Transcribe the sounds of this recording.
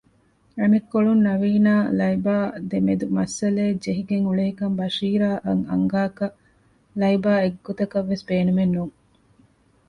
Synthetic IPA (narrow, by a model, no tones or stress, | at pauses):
ɐmekːoɭunnɐʋiːnaːlɐjbaːd̪emed̪umɐsːɐleːd͡ʒeɦiɡeŋuɭeɦikɐmbɐʃiːɾaːʔɐŋɐ̰ŋɡaːkɐ | lɐibaːeɡːot̪ɐkɐʋːesbeːnumenːuːŋ